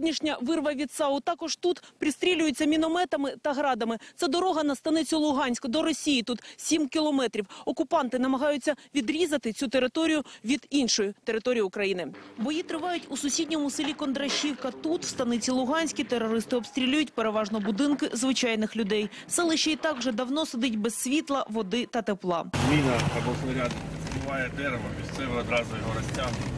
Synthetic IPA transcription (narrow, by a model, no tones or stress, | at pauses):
dʲnʲiʃnʲɐʋɪrʋɐʋʲit̪sɑʊt̪ɑkɔʒ̥t̪ut̪pɾʲist̪ʲɾʲilʲʊjet͡sʲːɐmʲinɔmɛt̪ɐmɪt̪ɐɦɾɑd̪ɐmɪt̪sɛd̪ɔɾɔɦɐnɐst̪ɐnɪt͡sʲʊlˠʊɦɑnʲsʲkɐd̪ɔɾɔsʲijit̪ut̪sʲimkʲɪlˠɔmɛt̪ɾʲiwɔkʊpɑnt̪ɪnɐmɐɦɑjʊt͡sʲːɐʋʲid̪ɾʲizɐt̪ɪt͡sʲut̪eɾɪt̪ɔɾʲijʊʋʲid̪inʃɔjʊt̪eɾɪt̪ɔɾʲijʊkɾɐjinɪbɔjit̪ɾɪʋɑjʊtʲusʊsʲidʲnʲɔmʊsɪlʲikɔnd̪ɾɐʃʲiwkɐt̪ut̪w̥st̪ɐnɪt͡sʲilˠʊɦɑnʲsʲkʲit̪eɾɔɾɪst̪ɪɔbst̪ʲɾʲilʲujʊtʲpeɾe̞ʋɑʒnɔbʊd̪ɪnkɪzʋɪt͡ʃɑjnɪxlʲʊd̪ɛj | sɛlˠɪʃt͡ʃɛit̪ɑkʒɛd̪ɐwn̪ɔsɪd̪ɪtʲbɛsːʲʋʲit̪lˠɐʋɔd̪ɪt̪ɐt̪eplˠɑ̰zmʲinɐɐbɔsnɔɾʲad̪zʲlʲɪʋɑjɛd̪ɛɾɪʋɐmʲist̪sɛʋeɾɔd̪ɾɑzɐjʲiɦɔɾɐsʲtʲam